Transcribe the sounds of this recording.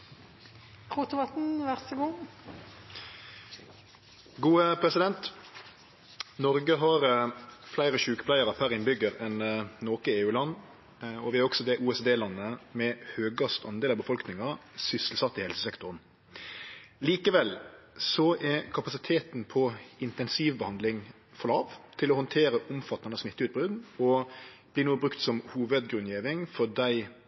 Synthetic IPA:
ʁuːt̪ʊʋɑt̪n̩ʋæʁsəɡuː | ɡuːəpʰɾɛsɪd̪ɛnt̪ | nɔʁɡəɦɑʁflæɪɾəʃʉːkə̥plæɪəɾɑpʰæɾɪnbʏɡːəɾɛnnoːkəeːʉːlɑnː | ɔʋɪæɾɔksɔd̪ɛʔuːɛsd̪eːlɑnːəmɛhøːɡɑst̪ɑnd̪eːlɑbəfɔlknɪŋɑsʏslsɑt̪ːɪhɛlsəsɛkt̪ɔʁn | liːkəʋɛlsɔɛkʰɑpɑsɪt̪ʰeːt̪n̩pʰɔɪnt̪ɛnsiːʋbəhɑnd̪lɪŋ | fɔʁlɑːʋt̪ʰɪlɔhɔnt̪ʰeːɾəʔʊmfɑt̪ːɑnəsmɪt̪ːəʉt̪̚bʁʉd̪nɔb̥liːnuːəbʁʉkt̪sɔmhuːʋəd̪ɡʁʉnjeːʋɪŋfɔd̪æɪ

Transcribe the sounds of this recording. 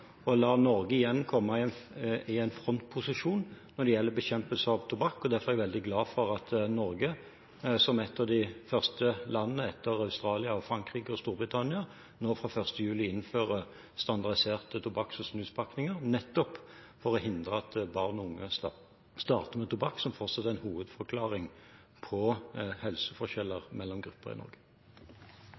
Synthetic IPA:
ɔlɑːnɔɾɡəɪjɛnːkʰɔmːɑɪɪæɪnfʁɔnt̪̚pʰʊsɪʂuːnnːɔd̪ɛjɛlːəbɛçɛmpəlsəɑʋt̪ʰʊbɑkːɔd̪æʁfɔʁɛɡʋɛld̪ɪɡlɑːfɔɾɑt̪nɔɾɡə | sɔmɛt̪ʰːɑd̪ɪfœʁst̪əlɑnːənəɛt̪ʰːəʁɑʉst̪ɾɑːlɪɑɔfɾɑŋkʁiːɡəɔst̪uːɾbʁɪt̪ʰɑnːɪɑ | noːfʁɑfœʁst̪əjʉːlɪɪnːføːʁə | st̪ɑnd̪ɑʁd̪ɪseːʁt̪ət̪ʰʊbɑksɔsnʉːspʰɑknɪŋəʁnɛt̪ːɔp | fɔʁɔhɪnd̪ʁəɑt̪bɑʁnʊŋːə | st̪ɑ̰ːʁt̪əmɛt̪ʊbɑksɔmfɔʁt̪sɑt̪ːəæɪnhuːʋəd̪fɔɾkʰlɑːʁɪŋ | pʰɔhɛlsəfɔʂʃɛlːəʁmɛlːɔmɡɾʉpːəʁɪ̰nɔ̰ɾɡə̥

